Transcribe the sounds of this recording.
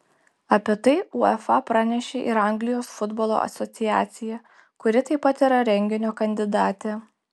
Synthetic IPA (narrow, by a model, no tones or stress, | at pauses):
ɐpʲiːt̪ɐɪuɛfɐpɾɑːnʲɛʃʲeːʔɪɾɐŋʲɡlʲɪjoːsfʊd̪boːlˠo̰ːɐ̰sʲɔt̪sʲɪjæːt̪sʲɪjɛ | kʊɾʲɪt̪ɐɪpɐt̪iɾɐɾʲɛŋʲɡʲɪnʲoːkɐnʲd̪ʲɪd̪ɑːt̪ʲe